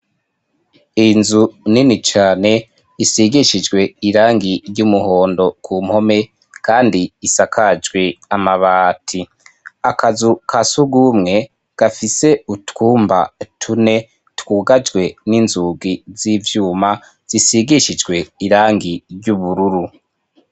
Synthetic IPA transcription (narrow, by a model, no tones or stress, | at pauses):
inzuninit͡ʃaːne̞ | isiɡiʃid͡ʒɡwe̞iɾaːŋɡiɾɟumuhoːndo̞kʰuːm̥ho̞me̞ | kaːndiisakʰad͡ʒɡweamaβaːtʰi | akazukʰasuɡumŋe̞ | ɡ̥afise̞utkuːmba̰tʰune̞ | tkuːɡad͡ʒɡwe̞ninzuɡizivjuːma | z̥isiɡiʃid͡ʒɡwe̞iɾaːŋɡiɾɟuβuɾuɾu